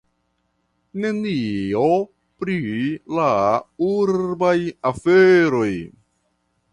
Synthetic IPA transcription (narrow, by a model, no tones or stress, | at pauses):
ne̞nio | pɾilauɾbajafeɾo̞j